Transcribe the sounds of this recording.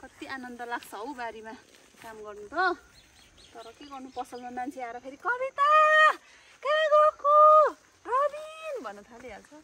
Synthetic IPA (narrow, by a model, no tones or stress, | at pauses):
kʌt̪ianʌnd̪ʌlakʰsʰʌɦõbaɾima | kamɡʌrnut̪ʰʌ | t̪ʌɾʌkeɡʌrnupʌsʌlnʌmant͡sʰiaɾakʰeɾikʌbit̪a | kãɡʌɾko | rʌbinbʱʌnːʌt̪ʰaleɦalt͡sʰʌ